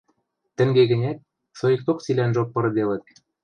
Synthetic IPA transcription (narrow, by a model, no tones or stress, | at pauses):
t̪ɘ̆ŋɡeɣɘ̆nʲæt̪̚ | sojɤ̆k̚t̪oksilʲænʒopːɤ̆ɾɤ̆d̪elɘ̆t̪̚